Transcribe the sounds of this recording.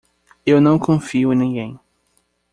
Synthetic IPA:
ewnɐ̃w̃kõfiʊ̃nẽɡẽj̃

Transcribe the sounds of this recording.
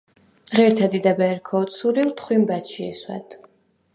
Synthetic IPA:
ʁɛɾt̪ʰad̪id̪abɛːɾkʰɔːt̪sʰuɾilˠt̪χwimbat̪ʃiɛswɛ̰d̪̥

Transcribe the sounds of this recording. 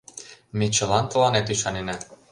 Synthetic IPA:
met͡ɕɤ̆lɑnt̪ɤ̆lɑnet̪yʃɑnenæ

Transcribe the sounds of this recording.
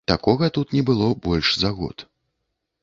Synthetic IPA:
t̪akɔɣɐt̪ut̪nʲɛbɨlˠɔbɔlʲʂzaɣɔ̰t̪

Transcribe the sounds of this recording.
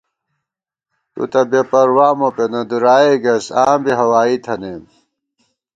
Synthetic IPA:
t̪ṵt̪ɐbepɐɾwaːmopenɐd̪uɾaːeɡɐsaːmbiɦɐwaːit̪ʰɐneːm

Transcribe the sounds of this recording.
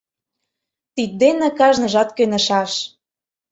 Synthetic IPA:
t̪it̪̚d̪enĕkɑʒnɤ̆ʒɑt̪kønə̆ʃɑʃ

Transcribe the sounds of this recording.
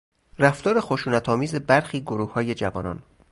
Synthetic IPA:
ræft̪ɒːɾe̞xo̞ʃuːnæt̪ʰɒːmiːze̞bæɾxiːɡoɾuːhhɒːje̞d͡ʒævɒ̰ːnɒ̰ːn

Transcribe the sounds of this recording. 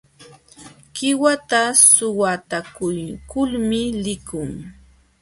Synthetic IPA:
kɪwat̪asʊwat̪akʊjkʊlmɪlɪkʊŋ

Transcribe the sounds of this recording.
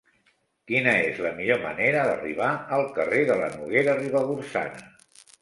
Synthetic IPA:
kinəezləmiʎomə̰neɾəðəriβaəlˠkəreðələ̰nuɣ̞eɾəriβəɣuɾsa̰nə

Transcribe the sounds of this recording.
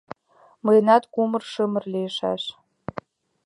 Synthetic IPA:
mɤjənɑt̪kumɤ̆rʃə̆mə̆rliəʃɑ̰ʃ

